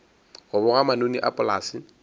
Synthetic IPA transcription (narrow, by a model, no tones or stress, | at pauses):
ɣʊbʊɣamanoniʔa̰pʼʊlaːsɪ